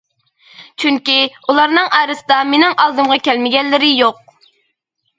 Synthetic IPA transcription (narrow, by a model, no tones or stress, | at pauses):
t͡ʃʰyŋkʲiulˠɑɾnɨŋʔɑːɾɨsɨd̪ɑmenɪŋʔɑlˠd̪ɨmʁɑkʲʰɛlmɪɡʲɛnːɪɾɪjoq̚